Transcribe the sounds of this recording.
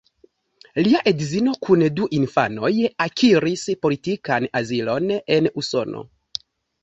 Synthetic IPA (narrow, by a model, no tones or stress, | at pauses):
liaʔedizino̞kʰunduʔinfa̰no̞jakʰiɾispo̞litikanazilo̞ne̞nuso̞̰no̰